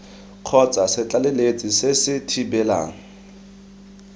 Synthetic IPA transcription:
q͡χʰɔt͡sʼasɪt͡ɬʼalelet͡sʼisɪsɪtʰibɛla̰ːŋ̩

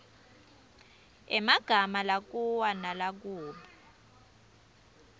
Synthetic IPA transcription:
ɛmaɡ̥ʱamalak̬ʼuwanalak̬uːɓa

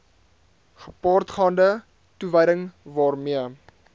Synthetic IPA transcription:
χə̥pɑːrtχɑːndə | tuvəjdəŋvɑːrmiə

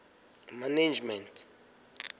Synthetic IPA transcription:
maned͡ʒmɛntʰ

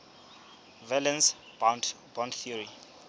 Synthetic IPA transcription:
vɛlɛ̃ns | b̥ɔ̃ndθiɔɹi

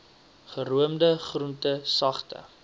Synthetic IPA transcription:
χəɾuəmdəχruntəsɐχtə̰

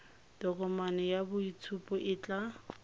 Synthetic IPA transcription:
d̥ɔkʼɔmanɔjabʊit͡sʰupʼɔʔɪt͡ɬʼa

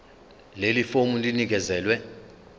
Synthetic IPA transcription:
lelifomulinik̬ɛzɛːlwɛ

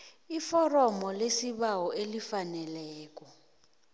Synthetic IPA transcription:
ifɔrɔmɔlesiɓawɔelifanɛlɛːk̬ʼɔ

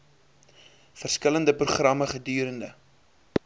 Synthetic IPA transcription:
fərskələndəpruχrɐməχədyːɾəndə

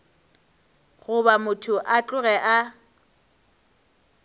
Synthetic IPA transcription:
ɣʊbamʊtʰʊʔat͡ɬʼʊɣɛʔa

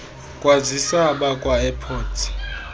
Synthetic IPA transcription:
kʼwazisaɓakʼwaɛpʰoːtʰi̥

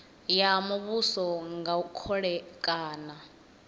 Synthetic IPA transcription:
jamuβusɔŋɡaukʰɔɺɛkʼaːna

